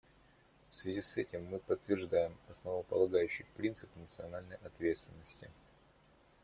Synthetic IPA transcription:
fsvʲɪzʲisɛtʲɪmːɨpət̪ːvʲɪrʐd̪ajɪmɐsnəvəpəlˠɐɡajʉɕːɪjpɾʲint̪sɨpnət̪sɨɐnalʲnəjɐt̪vʲe̞t̪st̪vʲɪnːəsʲtʲɪ

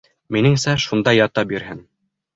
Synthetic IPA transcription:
minɘŋsæʃund̪ɑjɑt̪ɑbiɾhɘn

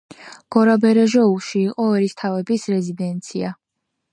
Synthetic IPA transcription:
ɡ̥ɔɾabɛɾɛʒɔuʃiːqʼɔɛɾist̪ʰavɛbisɾɛzid̪ɛnt̪sʰḭa

